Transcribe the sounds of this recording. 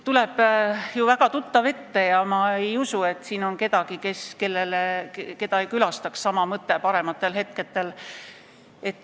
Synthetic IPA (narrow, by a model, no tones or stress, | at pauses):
t̪ule̞b̥juvæɡ̥ɑt̪ut̪ːɑve̞t̪ːe̞jɑmɑe̞jusue̞t̪ːˑsiːno̞nke̞d̪̥ɑɡike̞ske̞lːeleke̞d̪ɑejkylɑst̪ɑkssɑmɑmɤt̪ːepɑɾe̞mɑt̪ːˑe̞lhe̞t̪̚ke̞t̪ːˑe̞l | e̞t̪ːˑ